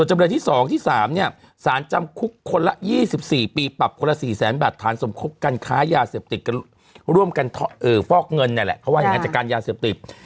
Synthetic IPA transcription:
u˨˩ənt͡ɕa˧mnɤ˧nt̪ʰiː˥˩sɔː˨˩˦ŋt̪ʰiː˥˩saː˩˦mni˥˩ɐ | saː˩˦nt͡ɕa˧mkʰu˦˥kʰːo˧nla˦˥jiː˥˩si˨˩p̚siː˨˩piː˧pa˨˩p̚kʰo˧nla˧˥siː˨˩sɛː˩˦nbaː˨˩t̪ʰːaː˩˦nso˩˦mkʰo˦˥p̚kaː˧nkʰaː˦˥jaː˧seː˨˩p̚t̪i˨˩t̪̚ka˧ | ɾu˥˩əmka˧nt̪ʰɔ˦˥ʔɤː˨˩fɔː˥˩k̚ŋɤ˧nːa˧˩lɛ̰˨˩pʰɾɔ˦˥waː˥˩ja˨˩ŋa˧˥na˨˩kaː˧njaː˧seː˨˩p̚t̪i˨˩

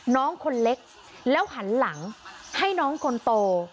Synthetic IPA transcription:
nɔː˦˥ŋkʰo˧nle˦˥k̚ | lɛː˦˥wɦa˩˦nla˩˦ŋha˥˩jnɔː˦˥ŋkʰo˧nt̪oː˧

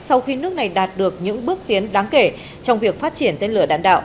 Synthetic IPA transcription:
sa˧wxi˧nɨ˦˥ək̚na˨˩jɗaː˨˩t̚ɗɨ˨˩ək̚ɲɨ̰˧˥ŋɓɨ˦˥ək̚t̪i˨˦ənɗaː˨˦ŋke˧˩ | t͡ɕɔ˧wŋ͡mvi˨˩ək̚faː˦˥t̚t͡ɕi˧˩ənt̪e˧nlɨ˧˩ə˩ɗa̰ː˧˨nɗa̰ː˧˨wʔ

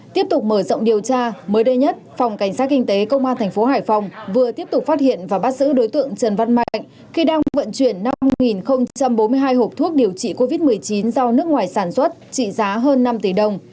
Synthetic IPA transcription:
t̪i˦˥əp̚t̪ʊ˨˩k͡p̚məː˧˩zə̰˧˨ŋ͡mɗi˨˩əwt͡ɕaː˧məː˨˦jɗə˧jɲə˦˥t̚fa˨˩wŋ͡mka˧˩ŋ̟saː˦˥t̚kï˧ŋ̟t̪e˨˦kə˧wŋ͡mʔaː˧nt̪ʰɛ˨˩ŋ̟fo˨˦ɦaː˧˩jfa˨˩wŋ͡mvɨ˨˩ət̪i˦˥əp̚t̪ʊ˨˩k͡p̚faː˦˥t̚hḭ˧˨ənvaː˨˩ɓaː˦˥t̚zɨ̰˧˥ɗo˨˦jt̪ɨ̰˧˨əŋt͡ɕə˨˩nva˧nma̰˧˨jŋ̟ | xi˧ɗaː˧ŋvə̰˧˨nt͡ɕwi˧˩ənːa˧ŋi˨˩nxə˧wŋ͡mt͡ɕt͡ɕa˧mɓo˨˦mɨ˧əjɦaː˧jɦho˨˩p̚t̪ʰu˦˥ək̚ɗi˨˩əwt͡ɕḭ˧˨ko˧vi˦˥t̚mɨ˨˩əjt͡ɕi˨˦nzɔ˧nɨ˦˥ək̚ŋwaː˨˩jsaː˧˩nswə˦˥t̚t͡ɕḭ˧˨zaː˨˦ɦəː˧nːa˧mt̪i˧˩ɗə˨˩wŋ͡m

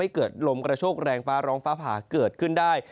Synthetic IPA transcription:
a˥˩jkɤː˨˩t̪̚lo˧mkɾa˧t͡ɕʰoː˥˩k̚ɾɛː˧ŋfaː˦˥ɾɔː˦˥ŋfaː˦˥pʰaː˩˦kɤː˨˩t̪̚kʰɯ˥˩ndaː˥˩j

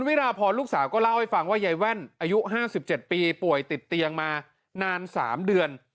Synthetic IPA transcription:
nwi˦˥ɾaː˧pʰɔː˧nluː˥˩k̚saː˩˦wkɔː˥˩la˥˩wha˥˩jfa˧ŋwaː˥˩ja˧jwɛ˥˩nʔaː˧ju˦˥ʔɦaː˥˩si˨˩p̚t͡ɕe˨˩t̪̚piː˧pu˨˩əjt̪i˨˩t̪ːi˧əŋmaː˧ | naː˧nsa̰ː˩˦mdɯ˧ən

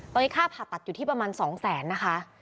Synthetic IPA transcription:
t̪ɔ˧niː˦˥kʰaː˥˩pʰa˨˩a˨˩t̪̚ju˨˩t̪ʰi˥˩pa˧maː˧nsɔː˩˦ŋsɛː˩˦nːa˦˥kʰa˦˥ʔ

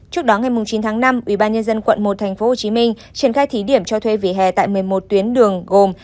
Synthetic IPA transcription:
t͡ɕɨ˦˥ək̚ɗɔ˨˦ŋa˨˩jmʊ˨˩ŋ͡mt͡ɕi˨˦nt̪ʰaː˨˦ŋna˧mʔwḭ˧˩ɓaː˧nɲə˧nzə˧nkwə̰˧˨nmo˨˩t̚t̪ʰɛ˨˩ŋ̟fo˨˦ho˨˩t͡ɕi˨˦mï˧ŋ̟ | t͡ɕi˧˩ənxaː˧jt̪ʰi˨˦ɗi˧˩əmt͡ɕɔ˧t̪ʰwe˧vḭ˧˩ɦɛ̰˧˨˩t̪a̰ː˧˨jmɨ˨˩əjmo˨˩t̚t̪wi˨˦ənɗɨ˨˩əŋɣo˨˩m

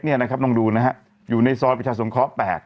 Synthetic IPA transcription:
t̚ni˥˩ɐna˦kʰp̚nɔː˧ŋduː˧na˦˥ɦa˦˥ | juː˨˩na˧jsɔː˧˥t̚pi˧˩tʰaː˧˩su˩˦ŋkʰɔː˦˥pɛ̰ː˨˩k̪̚

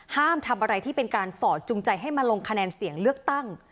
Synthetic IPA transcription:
haː˥˩mt̪ʰa˧mʔa˧ɾa˧jt̪ʰiː˥˩pe˧nkaː˧nsɔː˨˩t̪̚t͡ɕu˧ŋt͡ɕa˧jɦa˥˩jma˧lo˧ŋkʰa˧nɛː˧nsi˩˦əŋlɯ˥˩ək̚t̪a˥˩ŋ

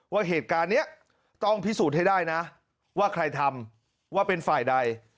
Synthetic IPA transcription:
waː˥˩ɦeː˨˩t̪̚kaː˧nːi˦˥ɐ | t̪ɔ˥˩ŋpʰi˦˥suː˨˩t̪̚ha˥˩jdaː˥˩jna˦˥ | waː˥˩kʰɾa˧jt̪ʰa˧m | waː˥˩pe˧nfaː˨˩jda˧j

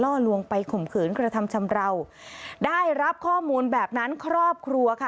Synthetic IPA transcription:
lɔː˥˩lu˧əŋpa˧jkʰo˨˩mkʰɯː˨˩˦nkɾa˧t̪ʰa˧mt͡ɕʰa˧mɾa˧w | daː˥˩jɾa˦˥p̚kʰɔː˥˩muː˧nbɛː˨˩p̚na˦˥nkʰɾɔː˥˩p̚kʰɾu˧ɐkʰa˥˩

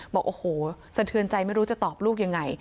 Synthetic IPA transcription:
bɔː˨˩k̚ʔoː˨˩hoː˨˩ | sa˧t̪ʰɯ˧ənt͡ɕa˧jma˥˩jɾu˦˥t͡ɕa˨˩t̪ɔː˨˩p̚luː˥˩k̚ja˧ŋːa˧j

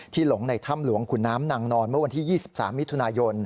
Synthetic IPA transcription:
t̪ʰiː˥˩lo˩˦ŋna˧jt̪ʰa˥˩mlu˨˩˦əŋkʰu˨˩nːaː˦˥mna˧ŋnɔː˧nmɯ˥˩wa˧nt̪iː˥˩jiː˥˩si˨˩p̚sa̰ː˩˦mːi˦˥t̪ʰu˧naː˧jo˧n

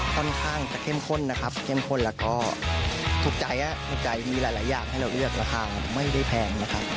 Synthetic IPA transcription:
kʰɔ˥˩nkʰaː˥˩ŋt͡ɕa˨˩kʰe˥˩mkʰo˥˩nːa˦˥kʰa˦˥p̚kʰe˥˩mkʰo˥˩nlɛː˦˥wkɔː˥˩ | t̪ʰu˨˦˥k̚t͡ɕa˨˩jʔa˦˧˥t̪ʰu˧˦˥k̚t͡ɕa˨˩jmiː˧laː˨˦jlaː˨˩˦jaː˨˩ŋhɦa˥˩jɾa˧wlɯ˥˩ək̚ɾaː˧xʰaː˧a˧˩ma˥˩jda˥˩jpʰɛː˧nna˦˥kʰa˦˥p̚

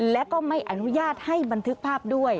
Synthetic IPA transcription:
lɛ˦˥kɔː˥˩ma˥˩jʔa˧˩nu˦˥jaː˥˩t̪̚ha˥˩jba˧nt̪ʰɯ˦˥k̚pʰaː˥˩p̚du˥˩əj

